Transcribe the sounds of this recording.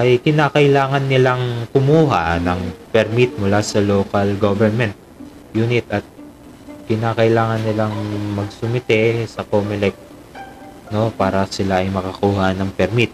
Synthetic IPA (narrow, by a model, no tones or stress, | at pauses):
ʔɐjkɪnaːkɐʔɪlaːŋɐnːɪlaŋkʊmuːɦa̰nɐŋpɛɾmit̪̚mʊlasɐloːkɐlɡovɛnmɛnt̪̚ | jʊnɪt̪ɐt̪̚ | kɪnaːkɐʔɪlaːŋɐnːɪlaŋmɐɡsʊmɪt̪ɛsɐkoːmɪlɛk̚t̪ | no̞paːɾɐsɪlaʔɐjmɐkɐkuːhanɐŋpɛɾmit̪̚